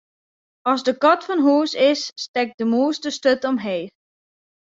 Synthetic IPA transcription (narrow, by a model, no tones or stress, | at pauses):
ɔsdəkɔtfɔnɦuːsɪsːtɛk̚dəmuəstəstøtɔmɦeː